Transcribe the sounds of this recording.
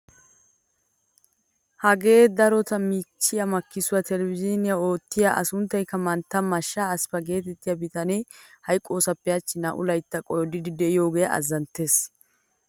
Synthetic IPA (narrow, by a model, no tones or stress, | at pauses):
hɐɡe̞ːd̪ɐɾɔt̪ɐmit͡ʃːɪjɐmɐkːɪsʊwɐt̪ɛlɛvɪd͡ʒɪnɪjao̞ːt̪ːɪjaʔɐ̰sʊnt̪ːɐjkːɐmɐnt̪ːɐmɐʃːaːspɐɡe̞ːt̪ɛt̪ːɪjɐbɪt̪ɐnehɐjkʼːo̞ːsɐpːɛjɐt͡ʃːɪnɐʔʊ̰lɐjt̪ːɐkʼɔjɔd̪ɪd̪ɪd̪ɛɪjo̞ːɡejʔɐ̰zːɐnt̪ːe̞ːs